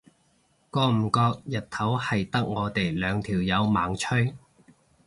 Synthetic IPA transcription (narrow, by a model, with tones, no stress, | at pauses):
kɔː˧m̩˨˩kɔː˧k̚jɐ˨˩t̚t̪ʰɐ˨˥whɐ˨jt̪ɐ˥k̚ŋɔː˨˧t̪e˨jlœː˨˧ŋt̪ʰiː˨˩wjɐ˨˧wmaː˨˥ŋt͡ʃʰɵ˥j